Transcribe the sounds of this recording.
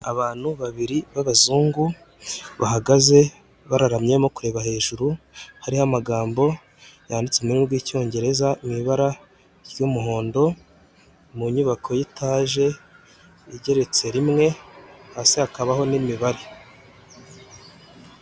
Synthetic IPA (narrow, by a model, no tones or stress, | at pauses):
aβaːn̥huβaβiɾiβaβazuːŋɡu | βahaɡaze̞ | βaɾaɾamɲe̞mokuɾe̞ːβahe̞ːʒuɾu | haɾihamaɡaːmbo̞ | jaːndit͡seminuɾɡwiːco̞ːɲɟe̞ɾe̞zaimiβaɾa | ɾjumuɦo̞ːndo̞ | muɲuβakʰo̞jitaːʒe̞ | iɟe̞ɾe̞t͡se̞ɾimŋe̞hasihakaβaho̞nimiβaɾe